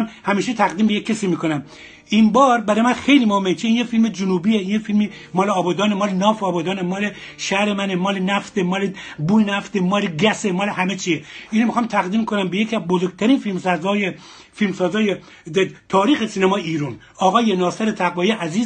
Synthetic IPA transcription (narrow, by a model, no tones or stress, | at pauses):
mhæmiːʃet̪ʰæɣd̪iːmbejekʲʰːesiːmiːkonæm | imbɒːɾbæɾɒːjmænxejlimohemːet͡ʃʰiinjefilmed͡ʒʊnuːbijeinjefilmi | mɒːleɒːbɒːd̪ɒːnemɒːlenɒːfeɒːbɒːd̪ɒːnemɒːle | ʃæhɾemænemɒːlenæft̪emɒːlebuːenæft̪emɒːleɡæsemɒːlehæmet͡ʃʰieʔiːnomixɑːmt̪ʰæɣd̪iːmkʰonæmbejekʰiæzbozoɾɡ̚t̪ʰæɾiːnfilmsɑzɒːje | filmsɒːzɒːje | t̪ʰɒːɾiːxesiːnæmɒːjeiːɾun | ɒːɣɒːjenɒːseɾet̪ʰæɣvɒːjeʔæziːz